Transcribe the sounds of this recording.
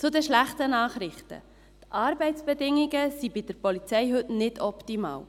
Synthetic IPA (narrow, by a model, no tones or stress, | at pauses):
t͡sʊdɛʃlæχtənɑːχɾɪχtə̰ | t̪ʔɑɾbɛɪt͡sb̥ɛdɪŋːiɡəsibid̥əɾpɔlit͡sɛjɦɵtnɪdʰɔptimɑ̰ːw